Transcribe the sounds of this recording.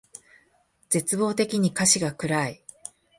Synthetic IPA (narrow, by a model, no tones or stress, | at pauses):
d͡z̥e̞t͡sɨbo̞ːt̪e̞kʲiɲ̟ikaɕiɡakɯ̟ɾai